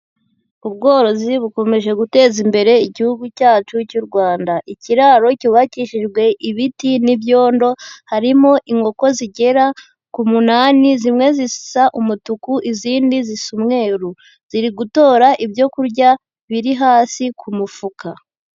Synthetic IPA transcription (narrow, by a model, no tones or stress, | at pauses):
uβɡo̞ːɾo̞ziβuko̞me̞ʒe̞ɡute̞ːzimbe̞ɾe̞iɟihuɡucaːt͡ʃucuɾɡwaːndaʔiciɾaɾo̞cuβaciʃiʒɡwe̞ʔiβitinibjo̞ːndo̞haɾimo̞ʔiŋɡo̞ko̞ziɟe̞ɾa | kumunanizimŋe̞zisi̥saʔumutukuʔiziːndizisumŋe̞ːɾu | z̥iɾiɡuto̞ːɾaʔibjo̞kuɾɟa | βiɾiɦaːsikʰumufuka